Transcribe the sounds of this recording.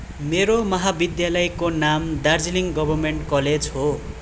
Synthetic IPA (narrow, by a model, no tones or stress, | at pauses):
meɾomʌɦabid̪jalʌjkonamd̪ard͡ziliŋɡʌbʱʌrmeɳʈkʌled͡zɦo